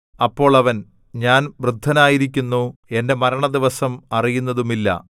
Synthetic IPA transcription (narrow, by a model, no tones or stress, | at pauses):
ɐpːo̞ːɭɐʋɐn | ɲaːnʋrɨd̪ʱːɐnaːjiɾik̬ʲːunːue̞nde̞mɐɾɐɳɐd̪iʋɐsɐmɐrijunːɐðumilːɐ̰